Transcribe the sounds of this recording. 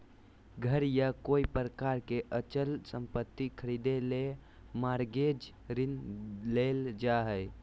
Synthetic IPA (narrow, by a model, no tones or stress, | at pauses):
ɡʱəɾjakoipɾəkaɾkeʔət͡ʃəlsəmpət̪ːikʰəɾid̪ele | maɾɡed͡ʒ | ɾinleld͡ʒaɦəj